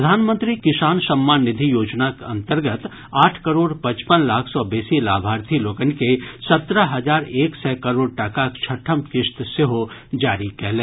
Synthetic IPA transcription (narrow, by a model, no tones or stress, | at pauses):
d̪ʱaːnmə̃nt̪ɾikɪsaːnsəmːaːnːɪd̪ʱijoːd͡ʒnakɐ̃nt̪əɾɡət̪ | aːʈʰkɐɾoːɽpɐ̃t͡ʃpənlaːkʰsɔːbeːsilaːbʱaːɾt̪ʰiloːkənkesɐt̪ɾəɦɐd͡ʒaːɾeːksɛːkɐɾoːɽʈakakt͡ʃʰəʈʰəmkɪʃt̪seɦod͡ʒaːɾikɛɦlẽː